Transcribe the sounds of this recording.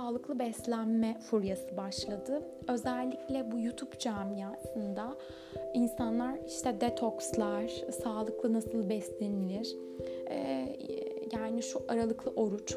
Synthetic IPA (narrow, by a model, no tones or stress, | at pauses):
aːlˠɯklˠɯbɛslʲænmɛfuɾjasɯbaʃlˠad̪ɯ | ø̞zælʲːiclʲɛbujut̪ʰupd͡ʒamjasɯnd̪a | insanlˠaɾiʃt̪ʰɛd̪ɛt̪ʰokslˠaɾ̥saːlˠɯklˠɯnasɯlˠbɛslʲenilʲiɾ̥ | jaːniʃuʔaɾalˠɯklˠɯʔo̞ɾut͡ʃ